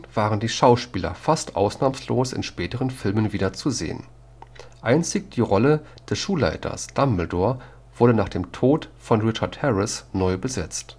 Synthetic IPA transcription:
v̥aːʁəndiːʃaʊʃpiːlɐ̰fastʔa̰ʊsnaːmsloːsɪ̰nʃpɛːtəʁ̞ənfɪlmənviːdɐt͡suzḛːə̰n | ʔaɪnt͡sɪç̚d̥iːʁɔlə | d̥ɛsʃuːla̰ɪtʰɐ̰sd̥ambl̩doːɐ | v̥ʊɐɾənaːχd̥eːmtʰoːtfɔnʁɪt͡ʃɐthɛʁɪsnɔʏbəzɛt͡st

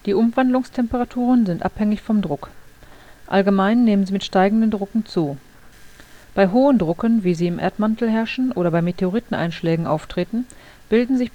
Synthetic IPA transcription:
d̥iːʔʊmvandlʊŋstʰɛmpəʁatʰuːʁənzɪntʔa̰phɛŋɪçfɔmdʁʊk | ʔalɡəmaɪnːeːmənziːmɪtʃtaɪɡŋ̩dəndʁʊkŋ̩t͡suː | b̥aɪɦoːəndʁʊkənviːziːɪmʔḛɐtmantl̩ɦɛɐʃn̩ʔoːɾɐbaɪmetʰeoʁiːtn̩ʔa̰ɪnʃlɛːɡŋ̩ʔaʊftʁ̥eːtn̩ | b̥ɪldn̩zɪç

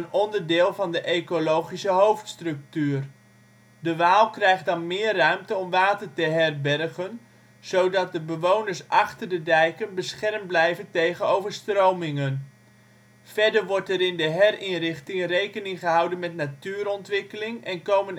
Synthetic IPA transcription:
ənɔndəɹdɪːlˠvɑndəʔejkolowχisəɦowftstrɵk̚tyːr | dəʋaːlˠkrɛjχt̚dɑnmɪːrːœɥmtəɔmʋaːtətəɦɛrbɛrχən | z̥owdɑt̚dəbəʋownəɹsʔɑχtəɹdədɛjkənbəsχɛrmblɛjvəntejχənowvəɹstrowmɪŋən | v̥ɛɹdəɹʋɔɹtɛɾɪndəɦɛrɪnrɪχtɪŋrejkənɪŋχəɦɑwdənmɛtnatyːɾɔntʋɪkəlɪŋɛnkowmən

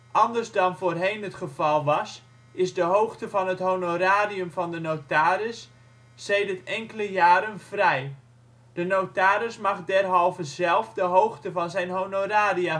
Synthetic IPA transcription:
ʔɑndərzdɑnvoːrɦejnɦətχəvɑlˠʋɑs | ɪzdəɦowxtəvɑnɦətɦownoɾaːɾiəmvɑndənotaːɾɪsː | ejdərtɛŋkələjaːɾənv̥rɛj | d̥ənowtaːɾɪsmɑχdɛrɦɔlˠvəzɛlˠfdəɦowχtəvɑnzɛjnɦownoraːdia

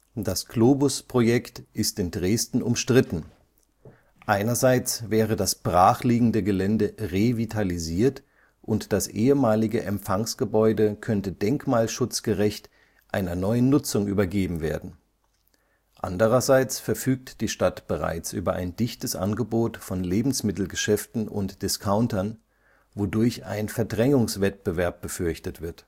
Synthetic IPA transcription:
d̥asɡ̥loːbʊspʁ̥ojɛktʔɪstɪndʁeːstn̩ʊmʃtʁ̥ɪtn̩ | ʔaɪnɐzaɪt͡svɛːʁədasb̥ʁaːχliːɡŋ̩dəɡəlɛndəʁevitʰaliziːɐt | ʔʊntd̥asʔeːəmaːlɪɡəʔɛmpfaŋsɡ̥əbɔʏdəkʰœntədɛŋkmaːlʃʊt͡sɡ̥əʁɛçt | ʔaɪnɐnɔʏənːʊt͡sʊŋʔy̰ːbɐɡeːbm̩veːɐdn̩ | ʔa̰ndəʁ̞ɐzaɪt͡sfɛɐfyːk̚td̥iːʃtatb̥əʁa̰ɪt͡sʔy̰ːbɐʔa̰ɪndɪçtəsʔa̰nɡəboːtfɔnleːbm̩smɪtl̩ɡəʃɛftn̩ʔʊ̰ntd̥ɪskʰaʊntɐn | vodʊɐça̰ɪnfɛɐdʁɛŋʊŋsv̥ɛt̚b̥əvɛɐp̚b̥əfʏɐçtətv̥ɪɐt

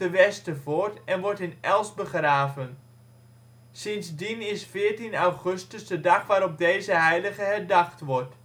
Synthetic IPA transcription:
əʋɛstəvʊːɹtɛnʋɔɹtɪnʔɛlˠsbəχraːvən | sɪnzdinɪsfɪːɹtinawχɵstəzdədɑχʋaːɾɔp̚dejzəɦɛjləχəɦɛɹdɑχtʋɔɹt

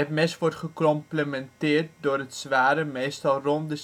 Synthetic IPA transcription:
ɛpmɛsʋɔtχəkɔmpləmɛntɪːrt̚dʊːrətsʋaːɾəmejstɑlˠrɔndə

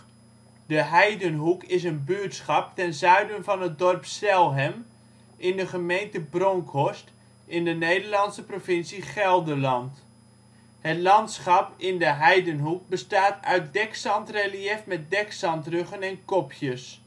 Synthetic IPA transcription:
dəɦɛjdənɦukɪs̬ənbyətsχɑp̚tɛnzœɥdənvɑnɦət̚dɔrpsɛlˠɦɛm | ʔɪndəχəmejntəbroŋkʰɔst | ʔɪndənejdəɹlɑnsəprovɪnsiχɛlˠdəlɑnt | hətlɑntsχɑpɪndəɦɛjdənɦuk̚bəstaːtœ̰ɥt̚dɛksɑntreliɛfmɛt̚dɛksɑntrøχənɛnkɔpʰjəs

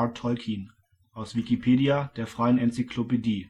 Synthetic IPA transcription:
tʰːɔlkʰiːn | ʔaʊsv̥ikipʰeːdiad̥eːɐfʁ̥aɪənʔɛnt͡sikʰlopediː

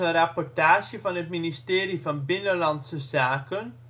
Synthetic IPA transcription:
ənrapɔrtaːʃjəvɑnɦətministeːɾivɑnbɪnəlɑnsəzaːkən

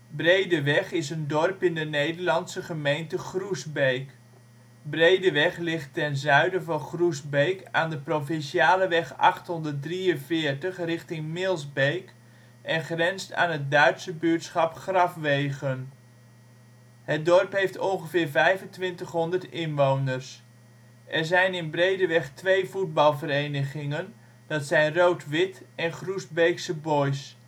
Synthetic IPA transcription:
brejdəʋɛχɪsəndɔrpɪndənejdəɹlɑnsəχəmejntəχrusbejk | brejdəʋɛχlɪχtɛnzœɥdəvɑnχrusbejkaːndəprofɪnsiaːləʋɛχɑ̰χtɦɔndərt̚driənvɪːɹtəχrɪχtɪŋmɪlˠzbejk | ʔɛnχrɛnsta̰ːnɦət̚dœɥtsəbyːtsχɑpχrɑfʋejɣən | hət̚dɔrpɦejftɔnχəvɪːrvɛjvəntʋɪntəχɦɔndərtɪnʋownərs | ʔɛrzɛjnɪnbrejdəʋɛχtʰʋejfud̚bɑlˠvəɾejnəɣɪŋən | dɑtsɛjnrowtʰʋɪtɛnχrusbejksəbojs

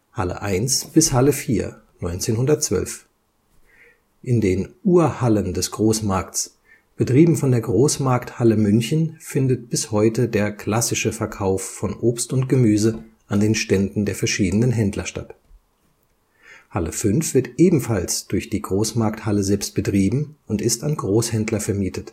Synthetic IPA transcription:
halə̰ʔa̰ɪnsb̥ɪshaləfiːɐ | nɔʏnt͡seːnhʊndɐt̚t͡sv̥œ̰lf | ʔɪndeːnʔuːɐhaləndɛsɡ̥ʁoːsmaɐks | b̥ətʁ̥iːbm̩fɔndeːɐɡʁoːsmaɐkthaləmʏnçn̩fɪndət̚b̥ɪshɔʏtədeːɐkʰl̥asɪʃəfɛɐkʰaʊfːɔnʔoːpstʊntɡ̥əmyːzə | ʔandeːnʃtɛndn̩deːɐfɛɐʃiːdənənɦɛndlɐʃta̰t | haləfʏnfv̥ɪɐtʔeːbm̩falsd̥ʊɐçd̥iːɡʁoːsmaɐk̚thaləzɛlpst̚b̥ətʁ̥iːbm̩ʊntɪstanɡʁoːshɛndlɐfɛɐmiːtʰət

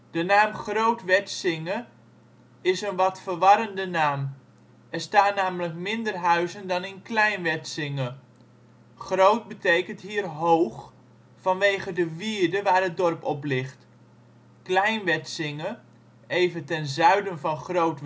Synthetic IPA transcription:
d̥ənaːmχrowtʋɛtsɪŋə | ɪsənʋɑtfərʋɑɾəndənaːm | ɛrstaːtnaːmələkmɪndərɦœɥzəndɑnɪnklɛjnʋɛtsɪŋə | χrowt̚bətejkəntɦiːrɦowχ | fɑnʋejχədəʋiːdəʋaːrɦət̚dɔrpɔplɪχt | klɛjnʋɛtsɪŋə | ejvəntɛnzœɥdənvɑnχrowt

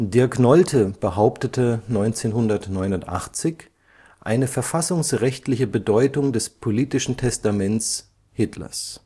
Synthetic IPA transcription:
deːɐknɔltʰəb̥əɦaʊptətʰənɔʏnt͡seːnɦʊndɐtnɔʏnʊntʔa̰χt͡sɪç | ʔa̰ɪnəfɛɐfasʊŋsʁɛçtlɪçəbədɔʏtʊŋdɛspʰoliːtɪʃn̩tʰɛstamɛnt͡s | hɪtʰlɐ̰s

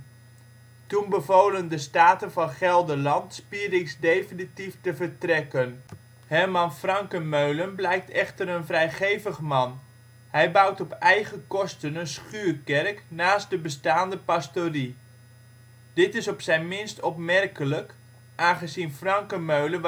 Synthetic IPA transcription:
tunbəvoːləndəstaːtənvɑnχɛlˠdəlɑntspirɪksdejfinitiftəvərtrɛkən | hɛrmɑnfrɑŋkəmøɥlənblɛjk̚tɛχtəɾənfrɛjχejvəχmɑn | hɛjbawtɔpɛjɣəkɔstənənsχyːkɛrknaːstdəbəstaːndəpastoːri | d̥ɪtɪsɔpsɛjnmɪnstɔpmɛrkələk | ʔaːnχəzinfrɑŋkəmøɥlə

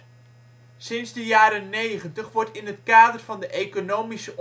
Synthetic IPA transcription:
sɪnzdəjaːɾənejχəntəχʋɔɹtɪnɦətkaːdərv̥ɑndəʔejkonowmisəʔ

